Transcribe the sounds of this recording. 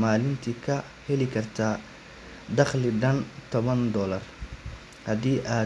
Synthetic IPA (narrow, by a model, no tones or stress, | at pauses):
maːlɪnt̪ʰikʰɐ | hɛlɪkʰɐrt̪ʰaː | d̪ɑχlɪɖɐnt̪ʰɔβɐnd̪ɔːlɐr | hɐðiːʔaː